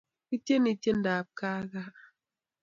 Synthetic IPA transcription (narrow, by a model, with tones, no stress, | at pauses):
i˦tje˦ni˨te˦n̩˦daː˨p̚kaː˦ɣa˦